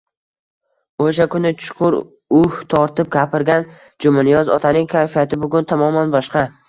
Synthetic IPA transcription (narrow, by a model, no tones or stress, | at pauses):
oʃakʊnɪt͡ʃʰʊ̥qʰʊɾ | ʊht̪ʰɒɾt̪ɪp̚ɡʲapʰɪɾɡʲan | d͡ʒʊmɪnijɒzɒ̰t̪ʰanɪŋkʲʰajfijat̪ʰɪbʊɡʊnt̪ʰamɒmanbɒʃqɑ